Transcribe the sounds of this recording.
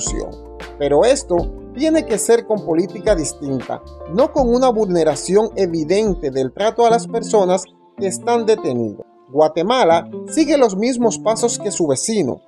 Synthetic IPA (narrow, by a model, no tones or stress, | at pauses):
sjo̰ŋ | pe̞ɾo̞e̞st̪o̞t̪je̞ne̞ke̞se̞ɾko̞mpo̞lit̪ikaðist̪int̪a̰ | no̞ko̞ŋunaβulne̞ɾasjo̞ŋe̞βiðe̞nt̪e̞ðelt̪ɾat̪oalaspe̞ɾso̞nas | ke̞ːst̪and̪e̞t̪e̞nḭðo̰ | ɡwat̪e̞malasiɣe̞lo̞smizmo̞spaso̞ske̞suβe̞sino̰